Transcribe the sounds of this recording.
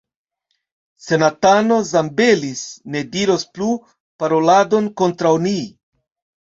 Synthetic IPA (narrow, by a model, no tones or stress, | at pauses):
se̞natano̞zambe̞lisne̞diɾo̞splu | paɾo̞lado̞nko̞ntɾawni